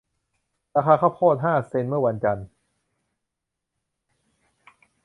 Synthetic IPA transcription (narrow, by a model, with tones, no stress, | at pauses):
ɾaː˧xʰaː˧kʰa˥˩wpʰɔː˥˩t̪̚ɦaː˥˩se˧nmɯ˥˩wa˧nt͡ɕa˧n